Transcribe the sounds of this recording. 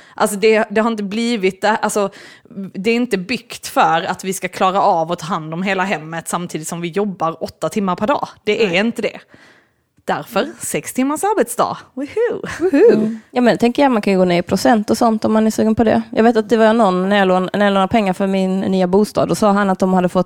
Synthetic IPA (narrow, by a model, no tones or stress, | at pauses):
ʔalsɔd̪ɛd̪ɛhaɾɪnt̪̬əbliːvɪt̪̚d̪ɛʔalsɔ | d̪ɛːɾɪnt̪əbʏkt̪fœɾat̪vɪskakʰlɑːɾaʔɑːvɔt̪ʰɑːɦand̪ɔmɦeːlaɦɛmːət̪samt̪ʰiːd̪ɪt̪sɔmvɪjɔbːaɾɔt̪ːat̪ʰɪmːaɾpʰæɾɖɑ̰ːd̪̥ɛʔæɾɪnt̪əd̪ɛ̰ | d̪̥æɾfœɾsɛkst̪ʰɪmːasaɾbɛt̪sd̪ɑ̰ːhʉhʉjɑːmɛnɛt̪ʰɛŋkəɾjajmankʰanjəɡoːnɛɪpʰɾʊsɛnt̪ɔsɔnt̪ɔmːanæsʉːɡənpʰɔd̪ɛ̰jɑ̰ɡveːt̪at̪̚d̪ɛvaɾɛnːɔnːæɾjɑloːnnæɾjaloːnaɾpʰɛŋːaɾfœɾmɪnːyːabuːst̪ɑ̰ːd̪ɔsɑːɦanat̪̚d̪ɔmhad̪ːəfɔt̪ː